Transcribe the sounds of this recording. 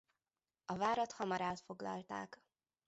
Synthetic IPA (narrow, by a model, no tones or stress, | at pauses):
ɒvaːɾɒt̪hɒmɒɾaːt̪fo̞ɡlɒ̰lt̪a̰ːk